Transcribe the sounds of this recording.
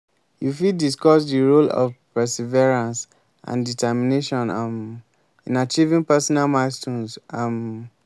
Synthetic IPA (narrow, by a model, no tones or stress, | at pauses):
jufidiskɔsdiɹolɔ̰vpɛsivɛɹãns | ʔã̰nditʰɛmineʃɔ̃nm | ĩnat͡ʃivĩŋpɛsɔnalmaɪstũnsam